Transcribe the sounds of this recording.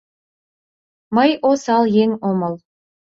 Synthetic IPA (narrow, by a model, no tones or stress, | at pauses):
mɤjʔosɑlˠjeŋomɤ̆lˠ